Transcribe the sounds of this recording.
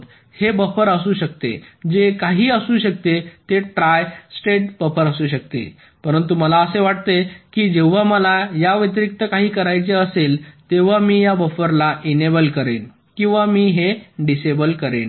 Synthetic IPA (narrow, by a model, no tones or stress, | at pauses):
hebəfəɾəsuːɕək̚t̪ḛd͡ʑekaɦiːəsuːɕək̚t̪et̪eʈɾajsʈeʈ̚bəfəɾəsuːɕək̚t̪ḛ | pəɾənt̪uməlaəseʋaʈ̚t̪ekiːd͡ʑeʋ̤aməlajaʋit̪̬ɾikt̪əkaɦiːkəɾajt͡seəselt̪eʋ̤amiːjabəfəɾlaʔinebəlkəɾḛn | kĩw̃ʋamiːɦeɖisebəlkəɾḛn